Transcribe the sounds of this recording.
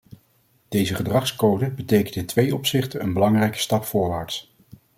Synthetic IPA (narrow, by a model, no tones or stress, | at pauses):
d̥ejzəχədrɑχskowdəbətejkəntɪntʋejɔpsɪχtəənbəlɑŋrɛjkə̥stɑpfʊːɹʋaːɹts